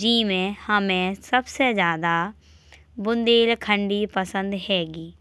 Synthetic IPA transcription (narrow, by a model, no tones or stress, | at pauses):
d͡ʒiːmẽhəmẽsəbsezjaːd̪aː | bʊnd̪eːlkʰəɳɖiːpəsə̃nd̪hɛːɡiː